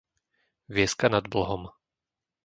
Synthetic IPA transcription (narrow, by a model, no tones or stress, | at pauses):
ʋɪɛskanad̪̚bl̩ɦɔm